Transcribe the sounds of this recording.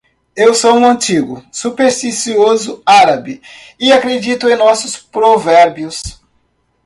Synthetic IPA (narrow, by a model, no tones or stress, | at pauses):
ewsoʊ̃ɐ̃nt͡ʃiɡʊsupeɾst̪isiozʊaɾabi | ɪakɾed͡ʒit̪ʊẽj̃nɔsʊspɾovɛɾbjʊs